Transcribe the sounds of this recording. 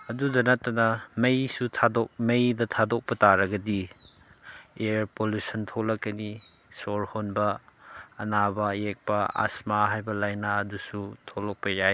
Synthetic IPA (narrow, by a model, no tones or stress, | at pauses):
ɐdudɐnɐtːɐnɐmɐjsutʰadok̚mɐjdɐtʰadok̚pɐtaɾɐɡɐdi | eɾpolusɐntʰolɐkːɐni | soɾhonbɐː | nabɐjek̚pɐa̰smaɦajbɐlajnaɐdusutʰolok̚pɐjaj